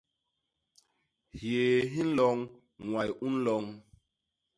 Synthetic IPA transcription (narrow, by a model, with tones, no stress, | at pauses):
hje˨ɦĩ˦n˦lɔ˦ŋ | ŋwa˨ju˦n˦lɔ˨ŋ